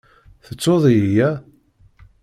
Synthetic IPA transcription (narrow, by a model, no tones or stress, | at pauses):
θət͡sːoðˤijæ